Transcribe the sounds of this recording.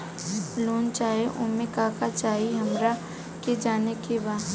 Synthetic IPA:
loːnt͡ʃaːeʔʊmẽkaːkat͡ʃaːɦiɦɐmɾa | ked͡ʒaːnekebaː

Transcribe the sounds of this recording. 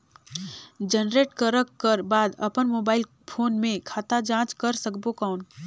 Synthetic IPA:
d͡ʒənɾeːʈkəɾəkːəɾbaːd̪ɐ̰pənmoːbaːɪl | pʰoːnmẽkʰaːt̪ad͡ʒãːt͡ʃkɐɾsəkbokaʊn

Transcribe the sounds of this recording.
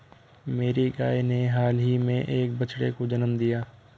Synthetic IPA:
meːɾiɡaːeneɦaːlɦimẽʔeːk̚bət͡ʃɽekod͡ʒənəmd̪ijaː

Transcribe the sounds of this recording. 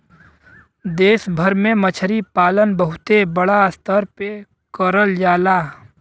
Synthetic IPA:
d̪eːsbʱəɾmẽmət͡ʃʰəɾipaːlənbəɦʊt̪ebəɽast̪ʰəɾpe | kəɾəld͡ʒaːlaː

